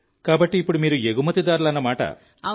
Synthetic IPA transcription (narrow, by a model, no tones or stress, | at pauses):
kaːbɐʈːiːpːuɽumiːɾueɡumɐt̪id̪aːɾulɐnːɐmaːʈɐ̰